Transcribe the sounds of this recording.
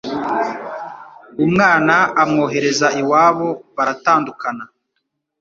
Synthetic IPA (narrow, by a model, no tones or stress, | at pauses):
umŋaːnaːmŋo̞ːɦe̞ɾe̞zaiwaːβo̞βaɾataːndukana